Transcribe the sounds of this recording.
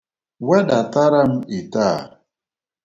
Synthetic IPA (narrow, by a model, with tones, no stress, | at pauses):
wɛ˦da˨ta˦ɾa˦m̩˦i˨ta˦˨